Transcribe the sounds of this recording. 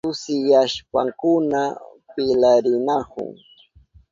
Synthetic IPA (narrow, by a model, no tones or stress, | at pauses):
ʊsɪjaʃpa̰ŋkʊna | pɪlaɾɪnakʊ̰ŋ